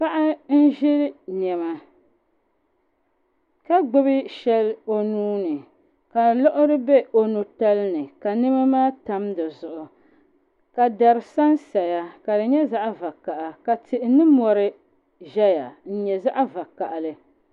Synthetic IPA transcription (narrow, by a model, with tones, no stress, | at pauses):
pa˦ʔa˦n̩˦ʒɪ˦lnɛ˨ma˨ | ka˦ɡ͡bʊ˦bɨ˦ʃɛ˦lo˨nuː˦nɨ˨ | ka˨lɔ˦ʔʊ˦ɾɨ˦bɛ˦ʔo˨nu˨ta˦lnɨ˨ka˨nɨ˦ma˦maː˦ta˦mdɨ˨zʊ˨ʔʊ˨ | ka˨da˨ɾɨ˨sa˦nsa˨ja˨ka˨dɨ˨ɲɛ˦za˦ʔva˨ka˨ʔa˨ka˨tɪ˨ʔɪ˨nɨ˦mɔ˨ɾɨ˦ | ʒɛ˦ja˨n̩˦ɲɛ˨za˦ʔa˦va˨ka˨ʔlɨ˦